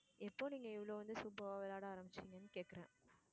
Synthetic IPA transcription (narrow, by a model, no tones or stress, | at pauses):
ɛpːoːniːŋɡɐɪʋːɐɭoːʋɐnd̪ɯsuːbɐʋaːʋɪlaːɽɐaːɾɐmbɪt͡ʃːiŋɡɐnːɯkeːʈkɐɾḛ̃ː